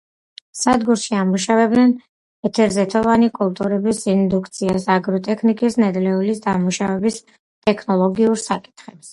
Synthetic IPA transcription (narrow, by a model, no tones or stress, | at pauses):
sad̪ɡuɾʃiamuʃavɛbd̪nɛn | ɛt̪ʰɛɾzɛt̪ʰɔvanikʼulˠt̪ʼuɾɛbisind̪ukʰt̪sʰiasaɡɾɔt̪ʼɛkʰnikʼisnɛd̪lɛulisd̪amuʃavɛbis | t̪ʼɛkʰnɔlˠɔɡiuɾsakʼi̥t̪ʰχɛps